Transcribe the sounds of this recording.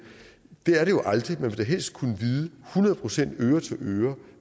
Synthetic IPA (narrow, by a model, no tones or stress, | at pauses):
d̥eæɐɾe̝jo̝ʔɑ̈ld̥ʁimænʋe̝d̥æɦel̰sd̥̚kʰunəʋiːðˠəhunɐðˠpʰʁo̝sen̰d̥øːɐt͡sʰe̝lʔøːɐ